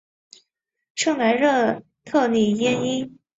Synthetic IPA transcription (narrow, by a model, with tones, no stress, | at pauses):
ʂɤ˥˩ŋna˧˥ɪɻɤ˥˧ | t̪ʰɤ˥˧ni˨˩jɛ˥ni˥n